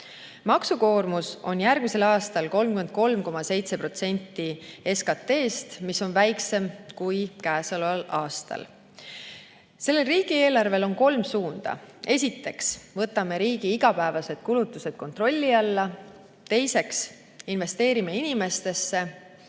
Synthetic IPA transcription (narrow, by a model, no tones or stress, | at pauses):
mɑksuko̞ːrmuso̞̰njærɡ̥̚mise̞lɑːst̪ɑlko̞lmkyme̞nd̪̥̚ko̞lmko̞mɑse̞jt̪se̞pro̞t̪se̞nʲt̪ːie̞skɑt̪ːe̞ːst̪miso̞nvæjkse̞mkujkæːsɑlɑlɑːst̪ɑ̰l | se̞lːe̞lriːɡ̥ie̞ːlɑrve̞lo̞nko̞lmsuːnd̪̥ɑ̰e̞sʲit̪ːe̞ksvɤ̞t̪ːˑɑme̞ɾiːɡ̥iiɡ̥ɑpæevɑse̞d̪̥kulut̪ːˑuse̞d̪̥̚ko̞nt̪ro̞lʲːiɑlːɑ | t̪e̞jse̞ks | inve̞st̪e̞ːɾimeinʲime̞st̪e̞sːe̞